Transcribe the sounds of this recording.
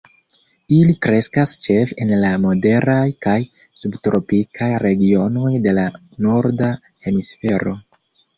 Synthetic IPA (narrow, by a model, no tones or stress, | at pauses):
ilikɾe̞skast͡ʃe̞fe̞nlamo̞de̞ɾajkaj | subtɾo̞pikʰajɾe̞ɡio̞no̞jde̞la | no̞ɾda | he̞misfe̞ɾo̞